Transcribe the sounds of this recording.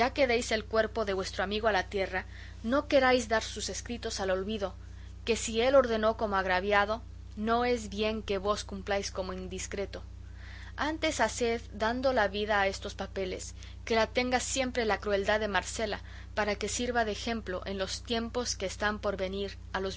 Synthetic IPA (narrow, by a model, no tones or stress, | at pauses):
d͡ʒake̞ðejse̞lkwe̞ɾpo̞ðe̞βwe̞st̪ɾoamiɣoalat̪je̞ra | no̞ke̞ɾajzd̪aɾsuse̞skɾit̪o̞salo̞lβiðo̞ | ke̞sie̞lo̞ɾðe̞no̞ko̞moaɣɾaβjað̞o̞ | no̞e̞zβje̞ŋke̞βo̞skumplajsko̞mo̞ind̪iskɾe̞t̪o̞ | ant̪e̞sase̞ðdand̪o̞laβiðaːe̞st̪o̞spape̞le̞̰s | ke̞lat̪e̞ŋɡasje̞mpɾe̞lakɾue̞ld̪aðe̞maɾse̞la̰ | paɾake̞siɾβaðexe̞mplo̞̰ʔe̞nlo̞st̪je̞mpo̞ske̞ːst̪ampo̞ɾβe̞niɾ | alo̞z